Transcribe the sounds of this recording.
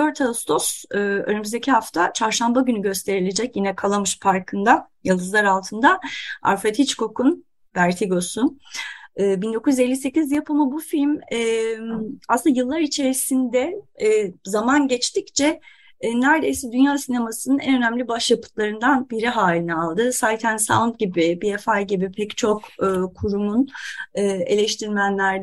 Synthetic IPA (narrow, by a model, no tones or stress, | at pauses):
d̪øɾt̪ʰaust̪ʰo̞sɯø̰nymyzd̪ecʰiɦaft̪ʰat͡ʃʰaɾʃambaɟynyɟø̞st̪ʰe̞ɾilʲe̞d͡ʒɛcjinɛkʰalˠamɯʃpʰaɾkʰɯnd̪a | jalˠd̪ɯzlˠaɾalˠt̪ʰɯnd̪aa̰ɾfɾet̪ʰit͡ʃkʰo̞kʰun | bæɾt̪ʰiɡo̞su | ɯːbind̪o̞kujyze̞lʲːise̞cizijɯpamabufilʲmɛmasɯnd̪ajɯlˠːaɾit͡ʃʰe̞ɾisind̪ɛː | zamanɟɛt͡ʃt̪ict͡ʃʰɛ | næɾd̪ejsɛd̪ynjaːsine̞masɯnɯnɛnø̞næmlʲibaʃjapʰɯ̥t̪ʰlˠaɾɯnd̪anbiɾiɦaːlʲinɛalˠd̪ɯsaːjt̪ʰænsa̰nt̪ɟibɪbiefajɟibipʰɛct͡ʃʰo̞kːkʰuɾumunɯːe̞̰lʲɛʃt̪ʰiɾmænlʲæɾd̪